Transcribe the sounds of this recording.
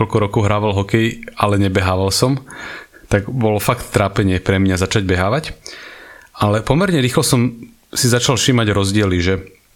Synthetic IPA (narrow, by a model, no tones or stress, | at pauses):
ɔlkɔɾɔkɔʊɦɾaːʋalɦɔkɛjalɛɲɛbɛɦaːʋalsɔm | t̪aɡbɔlɔfakt̪ːɾaːpɛɲɪɛpɾɛmɲazat͡ʃaɟ̚bɛɦaːʋac | alɛpɔmɛɾɲɛɾiːxlɔsɔm | sizat͡ʃalfʃimaɟɾɔzɟɪɛliʒɛ